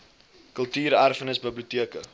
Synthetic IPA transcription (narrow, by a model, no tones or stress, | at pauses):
kəlˠtyːɾærfənəsbəbliuətiəkə